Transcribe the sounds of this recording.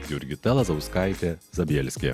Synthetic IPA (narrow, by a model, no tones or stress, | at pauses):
jʊɾʲɡʲɪt̪ʲɛlˠɐzɐʊskɑˑɪt̪ʲezɐbʲɛlʲsʲkʲḛ